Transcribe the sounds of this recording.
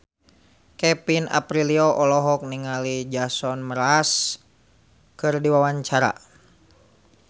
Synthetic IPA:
kɛpina̰pɾilioʔɔlɔɦɔk̚niŋalid͡ʒasɔnməɾas | kɨrdiwawaɲt͡ʃaɾa̰

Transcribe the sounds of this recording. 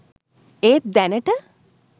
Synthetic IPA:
eːt̪̚d̪ɛnəʈə

